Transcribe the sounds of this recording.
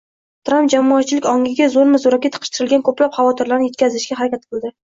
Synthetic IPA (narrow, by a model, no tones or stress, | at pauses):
t̪ʰɾampd͡ʒamɒːt̪̚t͡ʃʰɪlɪkʲɒŋɡʲɪɡʲazoɾmɪzʊɾakʲet̪qʰɨ̥ʃt̪ʰɨɾɪlɡʲankʰɵplapχavɒt̪ʰɪɾlaɾnɪje̞t̪̚kʲazɪʃɡʲaɦaɾakʲat̪̚qʰɨlˠd̪ɪ